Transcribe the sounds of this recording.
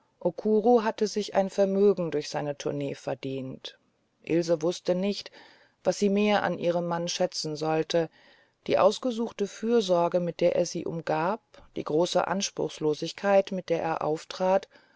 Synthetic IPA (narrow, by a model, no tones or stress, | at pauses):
ʔokʰuːʁoɦatəzɪçʔa̰ɪnfɛɐmøːɡŋ̩dʊɐçz̥aɪnətʰʊɐneːfɛɐdiːnt | ʔɪlzəvʊstənɪçt | v̥asz̥iːmeːɐʔa̰nʔiːʁ̞əmːanʃɛt͡sn̩zɔltʰə | d̥ḭːʔa̰ʊsɡ̥əzuːxtəfyːɐzɔɐɡəmɪt̚d̥eːɐʔḛːɐzḭːʔʊ̰mɡaːp̚d̥ḭːɡʁoːsə̰ʔa̰nʃpʁ̥ʊ̰xsloːzɪçkʰaɪtmɪt̚d̥eːɐʔeːɐʔa̰ʊftʁ̥aːt